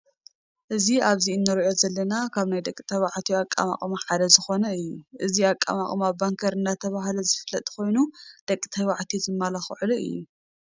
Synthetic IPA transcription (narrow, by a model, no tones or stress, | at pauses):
ʔɨziaβziɨnːɨɾʕo̞zɐlːɐnakʰaβnajd̪ɐkʼːit̪ʰɐwaʕt̪ʰiakʼːa̰ma̰χʼmaħad̪ɐzɨxo̞nɐɨjːuʔɨziakʼa̰ma̰χʼmabaŋkʰɐɾɨnːat̪ʰɐβaɦlɐzɨfɨlːɐt̪ʼkʰo̞jnud̪̥ɐkʼːi̥t̪ʰɐwaʕt̪ʰizɨmːalɐxʕɨluʔɨ̰jːu